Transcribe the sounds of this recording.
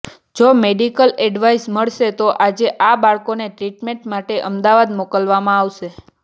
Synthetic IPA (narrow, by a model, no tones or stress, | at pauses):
d͡ʒomeɖikəlɛɖʋaisməɭʃet̪oʔad͡ʒeʔabaɭkoneʈɾiʈmeɳʈmaʈeʔəmd̪aʋad̪mokəlʋamãaːʋʃe